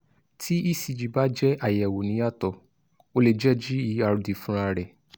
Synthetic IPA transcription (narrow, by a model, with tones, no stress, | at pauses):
tʰi˦i˦˨si˨˧d͡ʒi˨ba˦d͡ʒɛ˦ʔa˨jɛ˨wo˨nĩ˨˦a˦˨tɔ˧ | o˧le˨d͡ʒɛ˦d͡ʒi˦i˨˦a˨ɾu˨di˨fũ˦ɾa˧ɾɛ˨